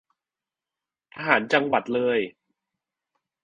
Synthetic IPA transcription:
ʔaː˧ɦaː˩˦nt͡ɕa˧ŋwa˨˩t̪̚lɤː˧j

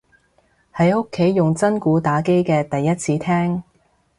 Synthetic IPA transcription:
hɐ˨˥jʊ˥kʰːe˨˥jːʊ˨ŋt͡sɐ˥nkuː˨˥t̪aː˨˥ke˥jkɛː˧t̪ɐ˨jːɐ˥t̚t͡sʰiː˨˥t̪ʰɛː˥ŋ

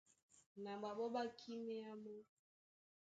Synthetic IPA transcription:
na˨ba˨bɔ˦ba˦kʰi˦mɛ˦a˦mo˦

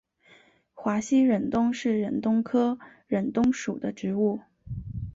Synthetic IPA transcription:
xwa˧˥ɕi˥ɻə˨˩nt̪ʊ˥ŋʂɻ̩˥˩ɻə˧˥nt̪ʊ˥ŋkʰɤ˥ɻə˨˩nt̪ʊ˥ŋʂu˨˩d̪ə˦ʈ͡ʂɻ̩˧˥u˥˩

